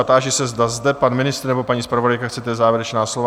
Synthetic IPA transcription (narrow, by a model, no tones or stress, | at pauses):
at̪aːʒɪsɛzd̪azd̪ɛpanmɪnɪst̪ɾnɛbo̞paɲiːspɾavodajkaxt͡sɛt̪ɛzaːvjɛɾɛt͡ʃnaːslova